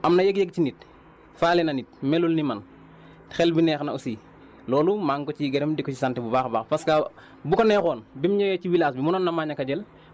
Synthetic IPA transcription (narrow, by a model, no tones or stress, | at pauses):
ʔamnɐjeɡjeɡ̚cinit̚ | faːlenɐnit̚melulniman | xelbinɛːxnausiː | lɔːlumaːŋkɔt͡ʃiɡeɾɛmdikːɔcisantibubaːxbaːxpaska | bukonɛːxɔːnbimɲɛjɛciwilaːsbimunoːnːɐmaːɲɐkaɟel